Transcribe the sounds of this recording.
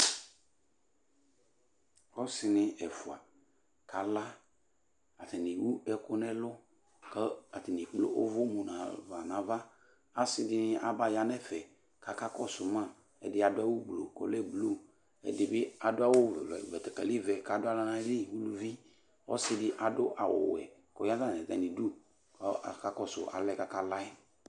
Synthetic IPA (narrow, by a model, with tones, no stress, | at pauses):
ɔ˦sɪ˨nɪ˨ɛ˨fʊ˨a˨ | ka˨la˦ | a˨tɪ˨ni˨wu˦ɛ˦kʊ˦nɛ˦lʊ˦ | kə˦a˨tɪ˨ni˨klo̰˦ʔo̰˦vʊ˦mu˨nã˨va˨nã˨va˦ | a˨sɪ˦dɪ˦nɪ˦ʔa˦ba˦ja˨nɛ˦fɛ˨ | ka˨ka˦kɔ˦sʊ˨ma˦˨ | ɛ̰˨dɪ˦a˨dʊ˦a˦wʊ˦blo̰˨kɔ̰˨lɛ˦blo˦˨ | ɛ̰˨dɪ˨bɪ˦a˨dʊ˦a˦wʊ̰˦˨vɛ˨tɛ˨ka˨li˦vɛ˨ka˨dʊ˦a˦la˦na˨˦li˦wu˦lu˦vi˦ | ɔ̰˦sɪ˦dɪ˦ʔa˨dʊ˦ʔa˨wʊ̰˨wɛ̰˨kɔ˨˦ja˦za˦˨ɛ˨zɛ̰˨ni˨du˦ | kka˦kɔ˦˨sʊ̰˨ʔa̰˨lɛ˦ka˦ka˦la˦ɪ˦